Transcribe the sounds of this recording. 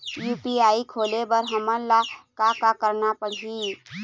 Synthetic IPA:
juːpiaːikʰoːlebəɾɦəmənlakakakəɾnapəɽɦi

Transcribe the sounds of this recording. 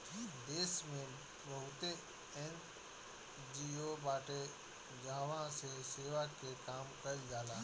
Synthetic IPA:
d̪eːsmẽː | ʋəɦut̪e | en | d͡ʒiːoːbaːʈe | d͡ʒãːʋãːseseːʋaːkʰeːkaːmkəid͡ʒaːlaː

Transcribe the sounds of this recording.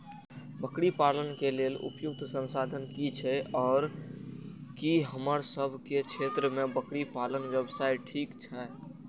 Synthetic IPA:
bəkɽipaːlənkeleːlʊ̰pjʊk̚t̪ʰsə̃nsaːd̪ʱənkit͡ʃʰɛɔːɾ | kiɦəməɾsəbʱkekʰeːt̪ɾəmẽbəkɽipaːlənwjəbsaːiʈʰiːkt͡ʃʰɛ

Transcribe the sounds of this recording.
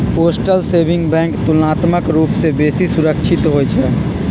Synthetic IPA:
poːsʈəlseːbʱɪ̃ŋɡbɛ̃ːŋkt̪ulnaːt̪məkɾuːpsebeːsisʊɾəkʃt͡ʃʰɪt̪ɦoːjt͡ʃʰɛ

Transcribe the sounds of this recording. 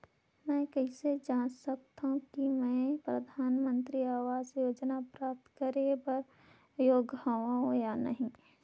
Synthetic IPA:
mɛ̃ːkəised͡ʒãːnsɐk̚t̪aɦũkimɛ̃ːpɾɐd̪ʱaːnmə̃nt̪ɾiaːʋaːzjoːd͡ʒnapɾaːp̚t̪kəɾebəɾ | joːɡɦaʋaɦõjanɐɦĩ

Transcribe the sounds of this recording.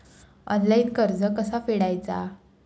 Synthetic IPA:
ɔ̰nlainkəɾd͡zəkəsafeɽajt͡sa̰

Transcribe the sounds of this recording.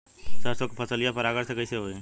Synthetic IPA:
səɾsokpʰɐsəlijapɐɾaːɡəɾsekɐiseɦoeɛ̃

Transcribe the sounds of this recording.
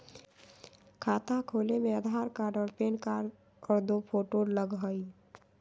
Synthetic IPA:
kʰaːt̪akʰoːlemẽəd̪ʱaːɾkaːɾɖɔːɽpeːnkaːɾ | ɔːɾd̪opʰoːʈoːɾləɡɦəi

